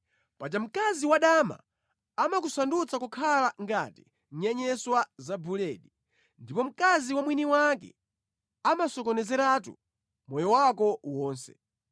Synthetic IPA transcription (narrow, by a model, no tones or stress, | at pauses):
pat͡ʃam̩kaziwaɗama̰ | amak̬usandut͡sakukʰalaŋɡati̥ | ɲɛɲɛswazabulɛːɗi | ndipɔm̩kaziwamwiniwakɛ̰ | amasɔkɔnɛzɛɾatṵ | mɔjɔwakɔwɔːnsɛ̥̰